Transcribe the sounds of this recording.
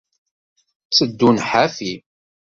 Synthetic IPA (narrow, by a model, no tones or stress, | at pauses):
t͡sːəd̪ːunħafi